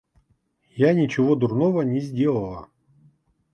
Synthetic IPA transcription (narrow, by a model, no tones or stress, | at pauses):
janʲɪt͡ɕɪvod̪ʊrnovənʲɪzʲdʲelˠəlˠə̰